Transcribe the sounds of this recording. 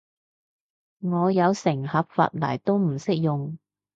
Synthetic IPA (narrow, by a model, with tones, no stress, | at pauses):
ŋɔː˨˧jɐ˨˧wsɪ˨˩ŋhɐ˨p̚fa̰ː˧t̚lɐ̰ː˨˩jt̪o˥wm̩˨˩sɪ˥k̚jʊ˨ŋ